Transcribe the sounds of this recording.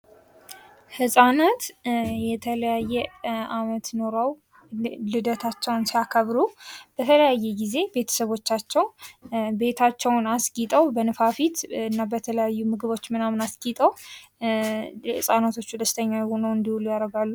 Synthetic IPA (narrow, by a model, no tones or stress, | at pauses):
hɨsʼanət̪jɛt̪ʰələjajːɛamət̪no̞ɾəw | lɨd̪ət̪ʰat͡ʃːɛwnsijakʰəβɾub̥ət̪ʰələjajːɛɡize̞be̞t̪ʰə̥səβo̞t͡ʃːat͡ʃːɛwbe̞t̪ʰat͡ʃːɛwnaskʼit̪ʼəwbənɨfafit̪ɨnːabət̪ʰələjajːumɨɡɨβo̞t͡ʃːmɨnamnaskʼit̪ʼəw | hɨsʼanat̪ʰo̞t͡ʃːud̪əst̪ʰəɲːawjɛho̞nəwɨnd̪ihulujaɾəɡalːu